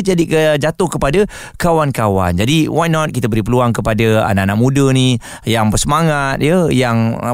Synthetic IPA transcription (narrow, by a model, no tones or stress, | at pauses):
d͡ʒadikəd͡ʒat̪ʊhkəpada | kawankawa̰nd͡ʒadiwajnɔt̪̚kit̪abəɾipəluaŋkəpadaa̰naʔanaʔ̚mũdəni | jaŋbərsəmaŋat̪̚jəjaŋ